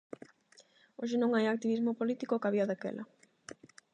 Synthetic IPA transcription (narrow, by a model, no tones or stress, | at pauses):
oʃ̬ɪnõŋajak̚t̪iβizmopolit̪ikokaβiaðakḛlʔɐ̰